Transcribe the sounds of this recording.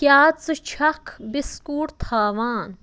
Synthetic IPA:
kjaːt͡sɨt͡ʃʰɐkʰbɪskuːɽt̪ʰaːʋaːn

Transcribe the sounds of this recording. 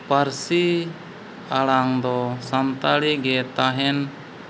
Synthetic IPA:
paɾsi | aɽaŋd̪ɔsant̪aɽiɡɛt̪aɦɛn

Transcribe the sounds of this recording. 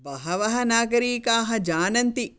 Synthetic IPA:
bɐɦɐʋɐɦɐnaːɡɐɾiːkaːɦɐd͡ʒaːnɐnt̪i

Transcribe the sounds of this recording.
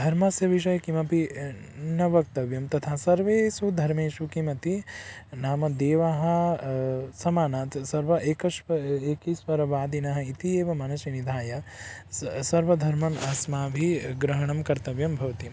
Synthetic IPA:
d̪ʱɐɾmasjɐʋiʃɐjɐkimɐbʱi | nɐʋɐk̚t̪ɐʋjɐmt̪ɐt̪ʰaːsɐɾʋeːsud̪ʱɐɾmeːʃukimɐt̪i | naːmɐd̪eːʋɐɦɐ̆ | sɐmaːnaːt̪sɐɾʋɐʔeːkɐʃɐeːkisʋɐɾɐʋaːd̪inɐɦɐ̆it̪ieːʋɐmɐnɐʃɐnid̪ʱaːjɐ | sɐɾʋɐd̪ʱɐɾmɐnɐsmaːbʱiɡɾɐɦɐɳ̃ɐmkɐɾt̪ɐʋjɐmbʱɐʋɐt̪im

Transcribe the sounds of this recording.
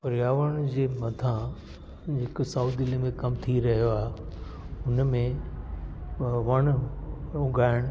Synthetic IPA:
pɐɾijaːʋəɽ̃d͡ʑeːmɐd̪ʱã | d͡ʑeksauːd̪ilimẽkɐmt̪ʰiɾɐɦijoaːɦe | ʊnmẽ | ʋɐɽ̃ | ʊɡʱaːɪɽ̃

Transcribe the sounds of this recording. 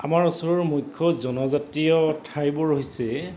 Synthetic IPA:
amaɹɔsɔɹɔɹmujkʰːɔzɔnɔzatɹijɔtʰajbɔɹoɦisɛ

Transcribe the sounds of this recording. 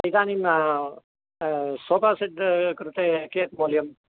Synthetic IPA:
ɐit̪aːnima | soːpaːsed̪kɾut̪ekeːt̪̚moːlijəm

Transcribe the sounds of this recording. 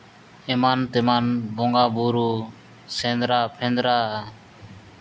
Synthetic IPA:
ɛmant̪ɛmanbɔ̃ŋɡabuɾu | sɛ̃nd̪ɾapʰɛ̃nd̪ɾa

